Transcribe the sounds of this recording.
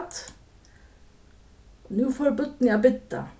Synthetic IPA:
t̪ | nʉːfoːɾbʉt̪njɑbɪt̪ːə̰

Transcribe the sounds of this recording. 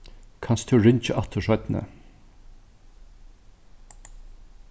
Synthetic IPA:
kʰɑnst̪ʰʉːɹʏnt͡ʃəʔɑt̪ʰəʃœʏt̪nə̰

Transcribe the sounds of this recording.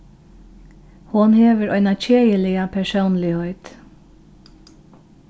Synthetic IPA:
hʊnheːʋəɾʔœʏnɑc͡çeːjəlɪɑpʰæʃuːnlɪhœʏt̪

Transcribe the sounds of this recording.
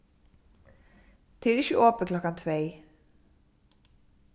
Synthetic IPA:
t̪ʰeɾɪçəʔoːpəklɔkɑnt̪ʰʋeɪ

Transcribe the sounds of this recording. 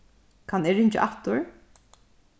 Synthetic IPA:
kʰanɪːɹɪɲt͡ʃɪ̰ʔat̪ʊɹ

